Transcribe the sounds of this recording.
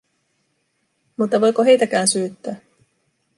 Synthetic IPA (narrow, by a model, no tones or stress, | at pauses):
mut̪ːɑʋo̞jkoɦe̞jt̪æk̟æːnsyːt̪ːæː